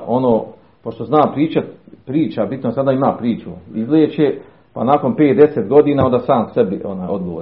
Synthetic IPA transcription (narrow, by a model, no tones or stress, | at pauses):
o̞noː | poʃt̪oznaːpɾiːt͡ʃapɾiːt͡ʃabit̪nosad̪aːimaːpɾiːt͡ʃuizleːt͡ʃe | pa̰naːko̞npeːt̪̚d̪eset̪ɡo̞d̪iːnaːond̪asaːmsebiʔo̰naːjo̞d̪ɡoʋoː